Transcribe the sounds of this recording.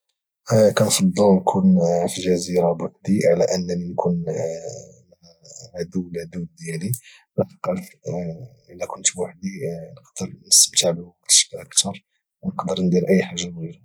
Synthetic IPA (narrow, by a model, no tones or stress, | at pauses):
kænfɑd̪ˤːəlnkʰunfiʒæziɾabwaħd̪iʕlæʔənːæninkʰun | m | æ | ʕad̪uwld̪ud̪jæli | læfəqɑlf | ʔəlːækʊnt̪bwaħd̪inəqd̪̥əɾnəst̪əmt̪aʕbəwɑqt̪ʃkʔəkt̪ɑɾˤ | nəqd̪əɾnd̪iɾʔəjːħaʒːamɣiɾa